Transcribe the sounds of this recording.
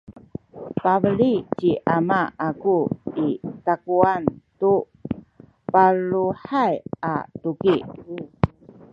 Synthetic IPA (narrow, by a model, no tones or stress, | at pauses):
pavəɭit͡ɕiʔamaakuitakuantu | paɭuħaja̰tuki